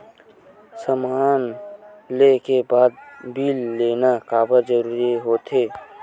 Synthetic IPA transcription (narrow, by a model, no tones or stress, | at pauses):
səmaːnlekebaːd̪̚biːlːeːnakaːbad͡ʒəɾuːɾiɦoːt̪ʰeː